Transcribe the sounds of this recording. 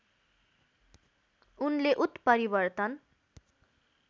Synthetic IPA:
unleʔut̪pʌɾibʌrt̪ʌn

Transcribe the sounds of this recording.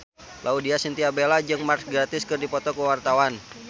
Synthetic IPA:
lʔaudiasint̪iabelad͡ʒɨŋmarsɡɾat̪ɪskɨrdipɔt̪ɔkəwart̪awan

